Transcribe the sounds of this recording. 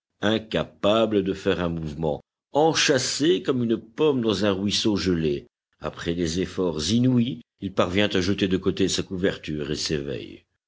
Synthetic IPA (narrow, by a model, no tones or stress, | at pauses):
ɛ̃kapabləd̪əfɛʁɛ̃muvmɑ̰̃ | ɑ̃ʃasekɔmynpɔmd̪ɑ̃zɛ̃ʁwisoʒəle | a̰pχɛd̪ezefɔʁzinui | ilpaʁvjɛ̃t̪aʒət̪ed̪əkot̪esakuvɛʁt̪yʁḛsevɛ̰j